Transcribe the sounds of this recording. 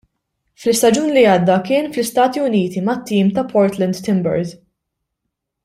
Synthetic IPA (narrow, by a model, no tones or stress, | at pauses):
flɪst̪ɐd͡ʒuːnliɐːd̪ːɐkɪːnflɪst̪ɐːt̪iʊniːt̪imɐt̪ːiːmt̪ɐpʰɔɾt̪lɛnd̪t̪ɪmbɛ̰ɾd̪